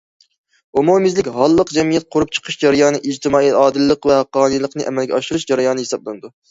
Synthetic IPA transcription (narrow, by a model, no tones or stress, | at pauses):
omomɪzlɪkʲɦɑlˠːəqd͡ʒɛmijɛt̪̚qʰoɾup̚t͡ʃʰə̥qʰəʃd͡ʒɑɾɪjɑnnɨʔɪd͡ʒt̪ʰɨmɑːiɑːd̪ɨlˠːəqvɛhɑqːɑːnɨjlˠəqnɨʔɛ̰mɛlɡʲɛɑʃɪɾuʃd͡ʒɑɾɑjɑnɨhesɑblˠænɨd̪u